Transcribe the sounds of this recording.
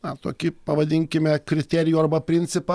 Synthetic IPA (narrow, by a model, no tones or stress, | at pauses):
ɐt̪o̰ːkʲɪpɐʋɐd̪ʲɪŋʲkʲɪmʲɛkɾʲɪt̪ʲæːɾʲɪjuːɐrbɐpʲɾʲɪnʲt̪sʲɪpɑ